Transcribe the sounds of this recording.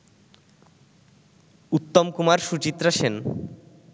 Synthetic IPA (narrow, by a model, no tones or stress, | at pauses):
ut̪ːomkumaɾʃut͡ɕit̪ːɾaʃen